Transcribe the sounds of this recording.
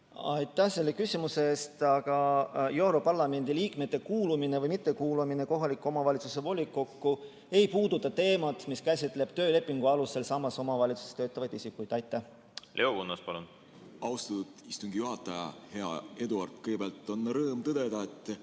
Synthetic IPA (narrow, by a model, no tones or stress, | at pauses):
ɑ̰jt̪ːˑæhse̞lːe̞kysʲimuseeːst̪ɑɡ̥ɑje̞wɾo̞pɑrlɑme̞nd̪iliːkmet̪ːe̞kuːlumine̞vɤjmit̪ːe̞kuːlumine̞ko̞ɦɑlikːo̞mɑvɑlit̪su̥se̞vo̞lʲːikːˑokːu | e̞jpuːd̪̥ut̪ːˑɑt̪e̞ːmɑt̪ˑmiskæsʲit̪ːˑle̞b̥̚t̪ø̞ːle̞pˑːiŋɡ̥uɑluse̞lsɑmːɑso̞mɑvɑlʲit̪su̥se̥t̪øːt̪ːˑɑvɑjd̪̥isikːˑujd̪̥ɑjt̪ːˑæh | lʔe̞okunːɑspɑlun | ɑwst̪ɑt̪ːut̪ist̪uŋɡijuɦɑt̪ːˑɑjɑ̰he̞ɑ̰e̞d̪uɑrt̪ˑkɤjɡ̥beɑlt̪ːonːɑɾɤːmt̪ɤd̪̥ed̪̥ɑet̪ːˑ